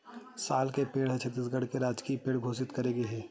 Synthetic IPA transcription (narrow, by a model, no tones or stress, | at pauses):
saːlkepeːɽɦɛ̃t͡ʃʰət̪ːis̬ɡəɽ̤keɾaːd͡ʒkipeːɽɡʱoːsɪt̪kɐɾeːɡeɦɛː